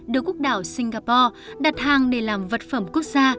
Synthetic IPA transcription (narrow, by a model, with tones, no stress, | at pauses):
ɗɨ˨˩əkːək̚ɗaː˧˩wsï˧ŋ̟ɣaː˧pɔ˧ɗa˨˩t̚haː˨˩ŋɗe˧˩laː˨˩mvə˨˩t̚fə˧˩mku˦˥ək̚zaː˧